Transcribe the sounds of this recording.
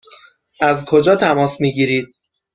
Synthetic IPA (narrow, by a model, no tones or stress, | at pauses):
ʔæzkʰo̞d͡ʒɒːt̪ʰæmɒːsmiːɟiːɾiːd̪̥̚